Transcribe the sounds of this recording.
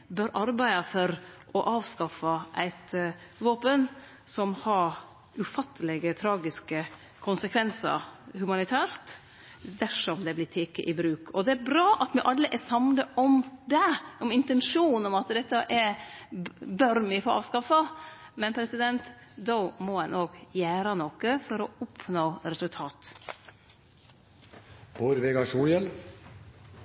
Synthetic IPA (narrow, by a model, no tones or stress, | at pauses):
bœɾʔɑɾbæɪɑfɔɾʔɔʔɑːʋskɑfɑʔæɪt̪ʋoːpən | sɔmhɑɾ | ʉfɑt̪ʰːəlɛɡət̪ʰɾɑːɡɪskə | kʰʊnsəkʰʋɛnsə̰ɾhʉmɑnɪt̪ʰæːɾt̪ | d̪æʂɔmd̪ɛblɪt̪ʰeːkə̰ʔɪbɾʉːkɔd̪ɛæɾbɾɑːʔɑt̪mɛʔɑlːəʔɛsɑmnəʔɔmd̪ɛɔmɪnt̪ɛnʂuːnɔmɑt̪d̪ɛt̪ːɑʔɛ | bœɾmɪfoːɑ̰ːʋskɑfɑmɛnpʰɾɛsɪd̪ɛnt̪d̪ɔʊmɔɛnʔoːɡjæːɾɑnokəfɔɾɔʊpʰnoːɾɛsʉlt̪ʰɑːt̪ | b̥oɾʋeɡɑʂuːjɛl